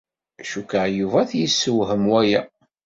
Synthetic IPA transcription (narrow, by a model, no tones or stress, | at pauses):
ʃukəʕjuvæθjisːəwɦəmwæjæ